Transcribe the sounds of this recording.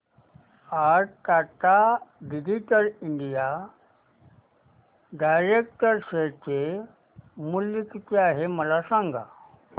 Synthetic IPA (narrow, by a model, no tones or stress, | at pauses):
aɾkaʈaɡid͡ʑiʈəɾiɳɖija | ɖajɾek̚ʈəɾset͡ɕe | mulːikit̪eaɦeməlasãŋɡʱa̰